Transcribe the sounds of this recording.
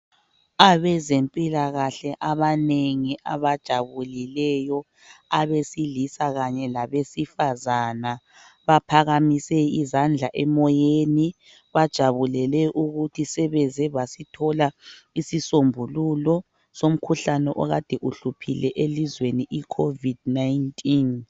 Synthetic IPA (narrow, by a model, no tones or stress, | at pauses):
aβɛzempʼilaɣaɬɛʔaβaneŋiʔaβad̥ʒ̥ʱaβulilɛjɔ | aβesilisaɣaɲɛlaβesifazana | βapʰaɣamisɛizand͡ɮʱaʔɛmɔjeni | βad̥ʒ̥ʱaβulɛlɛʔuɣutʰisɛβɛzɛβasitʰɔlaisisombʱululɔ | som̩kʰuɬanɛʔɔɣad̥ʱɛʔuɬupʰḭlɛʔelizweniʔikʰovid̥najntʼin